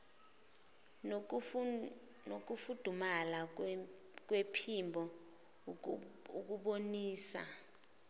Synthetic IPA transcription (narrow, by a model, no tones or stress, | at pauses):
nok̬ufud̥ʱumala | k̬wepʰimbʱɔ | uk̬uɓoniːsa̰